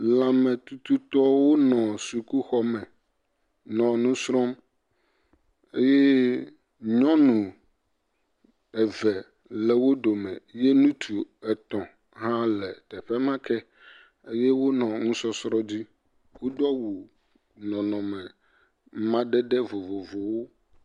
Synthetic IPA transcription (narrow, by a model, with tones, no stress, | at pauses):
la˨mɛ̃˨t̪u˨t̪u˦t̪ɔ˦wo˦nɔ̃˨su˨ku˦xɔ˦mɛ̃˨ | nɔ̃˨nũ˦sɾɔ̃˦m | e˦je˦ | ɲɔ̃˦nũ˨ | ɛ˨vɛ˨ | lɛ˨wo˦ɖo˨mɛ̃˨je˦nũ˦t̪ʰu˨ɛ˨t̪ɔ̃˨ | ɦã˦lɛ˨t̪ɛ˨ɸɛ˦mã˦kʰɛ˦ | e˦je˦wo˦nɔ̃˨ŋũ˦sɔ˦sɾɔ̃˦di˦ | wo˦d̪a˦wu˨ | nɔ̃˨nɔ̃˨mɛ̃˨ | mã˦ɖe˦ɖe˦vo˨vo˨vo˨wo˦